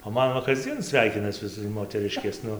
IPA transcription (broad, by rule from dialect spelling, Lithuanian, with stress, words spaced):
oː ˈmɐn ʋɐ kɐzʲˈd͡zʲiɛn ˈsʲʋʲɛɪkʲɪnɐs ˈʋʲɪs moːtʲɛˈrʲɪʃʲkʲeːs ˈnʊ